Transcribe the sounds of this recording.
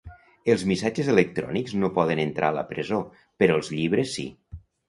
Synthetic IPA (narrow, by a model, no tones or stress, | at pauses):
əlˠzmisad͡ʒəzələk̚t̪ɾɔ̰nikznopɔðənənt̪ɾʔaələ̰pɾəzo | pəɾɔəlˠzʎiβɾəsːḭ